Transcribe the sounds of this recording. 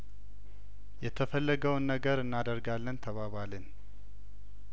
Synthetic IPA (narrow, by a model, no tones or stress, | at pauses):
jɛt̪ʰəfəlːəɡəwnːəɡəɾɨnːad̪əɾɡalːənt̪ʰəβaβalɨn